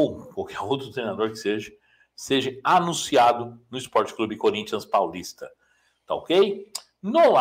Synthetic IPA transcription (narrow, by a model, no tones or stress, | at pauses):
owkwawkʰɛɾowt̪ɾʊt̪ɾejnad̪oɾkɪ̥seʒɐ | seʒɐanũsiad̪ʊnʊɪspɔɾt͡ʃɪ̥klubɪɪkoɾĩt͡ʃiɐ̃spawlist̪ɐ | t̪aokej | noa